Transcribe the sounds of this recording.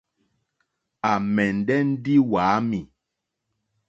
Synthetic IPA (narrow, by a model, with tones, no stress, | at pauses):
a˨mɛ˨n˨dɛ˦n̩˦di˦waː˨˦mi˨